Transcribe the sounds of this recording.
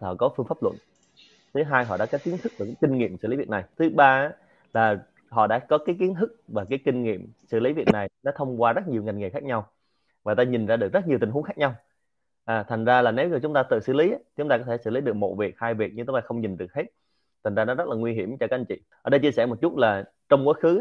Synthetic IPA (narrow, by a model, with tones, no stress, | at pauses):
ɔ̰˧˨kɔ˨˦fɨ˧əŋfaː˦˥p̚lwə̰˧˨n | t̪ʰɨ˨˦ɦaː˧jɦɔ̰˧˨ɗa̰ː˧˥kɔ˨˦˥ki˨˦ənt̪ɨ˦˥k̚ku˧˩kaː˨˦jki˧ŋ̟ŋḭ˧˨əmsɨ̰˧˨li˨˦vi˨˩t̚na˨˩jt̪ʰɨ˨˦ɓaː˧ʔa˦ | laː˨˩ | ɦɔ̰˧˨ɗa̰ː˧˥kɔ˨˦kaː˨˦jki˨˦ənt̪ʰɨ˦˥k̚vaː˨˩kaː˨˦jki˧ŋ̟ŋḭ˧˨əmsɨ̰˧˩li˨˦vi˨˩ət̚na˨˩jnɔ˨˦t̪ʰə˧wŋ͡mkwaː˧zə˦˥t̚ɲi˨˩wŋa˨˩ŋŋḭ˨˩kxaː˦˥k̚ɲa˧w | vaː˨˩t̪aː˧ɲi˨˩nzaː˧ɗɨ˨˩ək̚zə˦˥ɲ˨əwt̪i̟˨˩ɦu˨˦ŋxaː˦˥k̚ɲa˧w | ʔaː˨˩t̪ʰa˨˩ŋ̟zaː˧laː˨˩ne˨˦wzt͡ɕʊ˨˦ŋ͡mt̪aː˧t̪ɨ̰˧˨sɨ̰˧˩li˨˦ʔaː˦i˨t͡ɕʊ˨˦ŋ͡mt̪aː˧kɔ˨˦t̪ʰsɨ̰˧˩li˨˦ɗɨ˨˩k̚mo̰˧˩vi˨˩ək̚haː˧jvi˨˩k̚ɲɨ˧ŋt̪ʊ˨˦t̪aː˧xə˧wŋ͡mɲi˨˩nɗɨ˨˩ək̚he˦˥t̚ | t̪ʰŋ̟zaː˧nɔ˨˦zə˦˥t̚laː˨˩ŋwi˧ɦi˧˩əmt͡ɕɔ˧kaː˦˥ʔə˧ŋt͡ɕḭ˧˨ʔəː˧˩ɗə˧jt͡ɕi˧əsɛ˧˩mo˨˩t̚t͡ɕu˦˥t̚laː˨˩ | t͡ɕɔ˧wŋ͡mkwaː˨˦xɨ˨˦